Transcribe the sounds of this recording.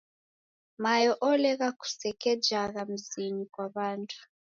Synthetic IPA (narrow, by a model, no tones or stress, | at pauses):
majɔʔɔlɛɣaku̥sɛkɛd͡ʒaɣam̩zinikwaβantʰu̥